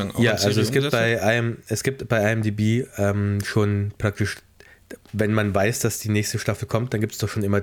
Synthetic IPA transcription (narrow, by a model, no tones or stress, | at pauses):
jaːʔalzoɛsɡiːpt̚baɪʔaɪəmʔɛsɡ̥iːp̚tb̥aɪʔaɪəmdiːbiːʔɛːmʃoːnpʁ̥ak̚tɪʃ | vɛnmanvaɪsd̥asd̥iːnɛːçstəʃtafl̩kʰɔmt̚d̥anɡiːptsd̥ɔχʃoːnʔɪmɐ